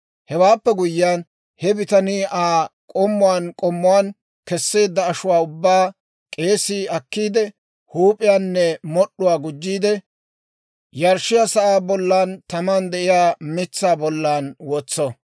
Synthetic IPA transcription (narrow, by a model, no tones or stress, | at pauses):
hɛwaːpːɛɡʊjːjaːn | hɛbɪt̪ɐniːaːkʼɔmːʊwankʼɔmːʊwaːn | kɛsːe̞ːd̪ːɐːʃʊwaːʊbːaː | kʼe̞ːsiːɐkːiːd̪ɛ | huːpʼɪjaːnːɛmɔɗːʊwaːɡʊd͡ʒːiːd̪ɛ | jɐɾʃɪjasɐʔaːbɔlːaːnt̪ɐmand̪ɛʔɪjaːmɪt͡sːaːbɔlːaːnwɔt͡sːɔ